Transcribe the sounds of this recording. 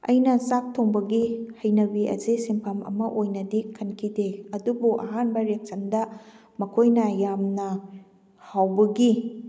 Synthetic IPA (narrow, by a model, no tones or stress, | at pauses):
ɐ̰jnɐsak̚tʰoŋbɐɡihɐjnɐbiɐ̰zisimpʰamɐ̰mɐʔojnɐdikʰɐnkʰideɐdubuʔɐ̰ɦanbɐɾek̚t͡ʃɐndɐ | mɐkʰojnɐjamnɐ | hawbɐɡi